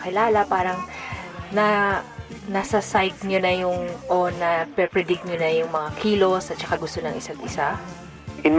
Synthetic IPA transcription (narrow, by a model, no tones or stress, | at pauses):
kɪlaːlɐpaːɾɐŋnɐ | nɐsɐsajt̪̚ɲonɐjʊŋʔo̞nɐpɛpɹɛd̪ɪk̚ɲonɐjʊŋmɐŋakʰiːlo̞sɐt̪̚t͡ʃɐkaɡʊst̪o̞nɐŋʔɪsaɡʔɪsa | ʔɪ